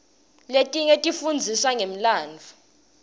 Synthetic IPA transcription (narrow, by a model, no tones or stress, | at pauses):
letʼiŋetʼifund͡zʱiswaŋem̩laːnd͡ɮʱu